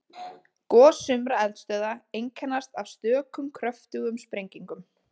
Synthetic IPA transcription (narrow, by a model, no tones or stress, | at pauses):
kɔːsʏmɾaɛlt̪st̪œːðaejŋkʰɛnːast̪av̥st̪œːkʏmkʰɾœft̪ʏɣʏmspɾejɲciŋkʏm